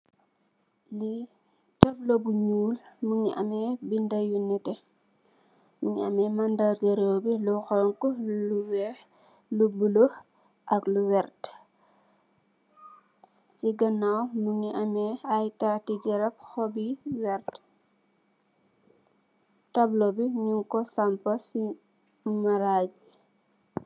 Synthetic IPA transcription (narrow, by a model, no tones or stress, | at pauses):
li | tɐblobuɲuːlmuŋiʔɐ̰mɛbindɐjunːɛtɛ | muŋiɐmɛmandarɡɐɾoːbilɔxɔŋkɔluwɛ | lubulo | ʔɐkluwɛrt | siɡɐnawmuɲiʔɐmɛɐjtatiɡɛɾɐp̚xɔbiwɛrt | tɐblobiɲuŋkɔsɐmpɐsi | mɐɾaːɟ̚